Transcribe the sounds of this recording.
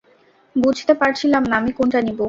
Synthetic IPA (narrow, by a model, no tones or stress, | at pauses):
bud͡ʑʱt̪epaɾt͡ɕʰilamnaamikonʈanibo